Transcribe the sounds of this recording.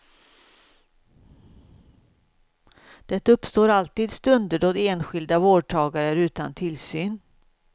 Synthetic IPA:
d̪̥ɛt̪ːaɵpːst̪oːɾalt̪iːd̪st̪ɵnd̪əɖoːd̪eːnɧɪld̪avoːɖ̚ʈʰɑːɡaɾəɾʉ̟ːt̪a̰nt̪ʰɪlsyːn

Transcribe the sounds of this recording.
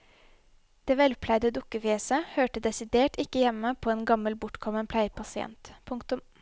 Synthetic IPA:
d̪̥eːʋɛlpʰlæɪd̪əd̪ʊkəfɪɛːsəhøːʈəd̪ɛsɪd̪eːʈɪkːəjɛmːəpʰoːeːnɡɑməlbʊʈkʰɔmənpʰlæɪəpʰɑsɪɛ̰nt̪pʰʊŋkt̪ʊm

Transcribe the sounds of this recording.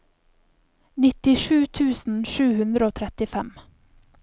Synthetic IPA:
nɪt̪ɪʃʉːt̪ʰʉːsn̩ʃʉːhʉnd̪ɾəoːt̪ʰɾɛt̪ɪfɛm

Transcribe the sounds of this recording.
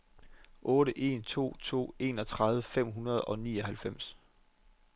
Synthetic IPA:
ʔɔ̽ːɾəʔe̝nt͡sʰo̝̰ːt͡sʰo̝̰ːe̝ːnɒ̽t͡sʰʁɑðˠʋəfem̰ɦunɐð̞̩ˠɒ̽nḭːɒ̽ɦælfem̰s

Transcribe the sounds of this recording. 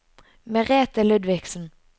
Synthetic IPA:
mɛʁeːt̪əlʉd̪ʋɪksn̩

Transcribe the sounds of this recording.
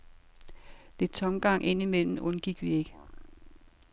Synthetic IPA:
d̥e̝d̥̚t͡sʰɒ̽mɡ̥ɑ̈ŋ̰ʔe̝n̰imel̰m̩ɔ̽nɡ̥iɡ̥ʋie̝ɡ̥ə

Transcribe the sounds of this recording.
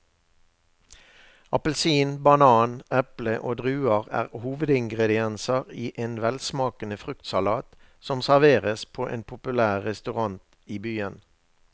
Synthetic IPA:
ɑpəlsiːnbɑnɑːnɛpləʔoːd̪ʁʉːɑʁæ̰ːʁhuːʋəd̪ɪŋɡʁɛd̪ɪɛnsɑʁiːʔeːnʋɛlsmɑːkənəfʁʉkt̪sɑlɑːt̪ | sɔmsæʁʋeːʁəspʰoːʔḛːnpʰʊpʉlæːʁːɛst̪ʉʁɑnt̪ | iːbyːən

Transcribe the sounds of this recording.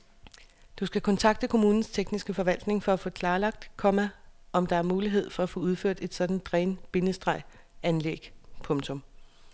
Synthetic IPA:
d̥usɡ̥ækʰɒ̽nt͡sʰɑ̈ɡ̥̚d̥əkʰo̝muːnn̩st͡sʰeɡ̥nisɡ̥əfɒ̽ʋæl̰d̥ne̝ŋfɒ̽æfɔ̽ːkʰlɑ̈ːlɑ̈ɡ̥̚d̥kʰɒ̽mæʔɒ̽md̥ɑ̈æɐmuːliɦe̝ð̞̰ˠfɒ̽æfɔ̽uð̞ˠføɐ̰d̥e̝d̥sɒ̽d̥n̩d̥ʁɛːnb̥e̝nəsd̥ʁɑ̈ɪ̰ | ænleɡ̥pʰɔ̽ŋt͡sʰɔ̽m

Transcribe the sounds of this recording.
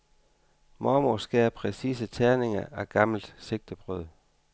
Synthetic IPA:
mɒmosɡ̥ɛ̰ːɐpʰʁɛsḭːs̬ət͡sʰæɐne̝ŋɐæɡ̥ɑ̈ml̩d̥se̝ɡ̥̚d̥əb̥ʁœð̰ˠ

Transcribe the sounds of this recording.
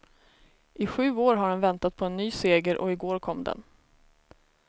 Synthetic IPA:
ʔɪɧʉ̟ːoːɾɦaɖɛnvɛnt̪at̪̚pʰɔɛnːyːseːɡəɾʔɔ̰ɪɡoːɾkʰɔmːd̪ɛ̰n

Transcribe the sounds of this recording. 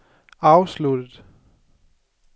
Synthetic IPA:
ɑ̈ʊslud̥əð̩ˠ

